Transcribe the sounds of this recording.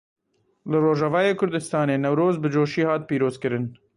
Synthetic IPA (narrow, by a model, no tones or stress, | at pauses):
lɨroːʒɑvɑːjeːkʰʊɾd̪ɨst̪ɑːneːnɛwɾoːzbɨd͡ʒoːʃiːhɑːt̪̚piːɾoːzkɨɾɨn